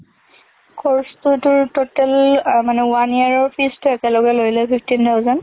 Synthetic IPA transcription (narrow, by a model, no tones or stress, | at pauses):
kʰɔɹstʊtʊɹtotɛlmanɛuaniaɹɔɹpʰistʊɛkɛlɔɡɛlojlɛpʰipʰtintʰawzɔn